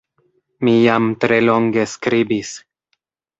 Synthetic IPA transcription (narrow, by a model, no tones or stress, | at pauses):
mijamtɾe̞lo̞ŋɡe̞skɾibis